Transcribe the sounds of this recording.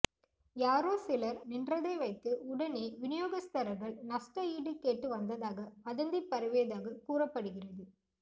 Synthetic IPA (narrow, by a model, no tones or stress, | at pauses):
jaːɾoːsɪlɐɾnɪndrɐðɐɪʋɐɪt̪ːɯʊɽɐneːʋɪnɪjoːɣɐst̪ɐɾɐɾɣɐɭnɐsʈɐiːɽɯkːeːʈːɯʋɐnd̪ɐðaːɣɐmɐðɐnd̪ipːɐɾɯʋeɐðaːɣɐkuːrɐpːɐɽɯɣɪrɐðɯ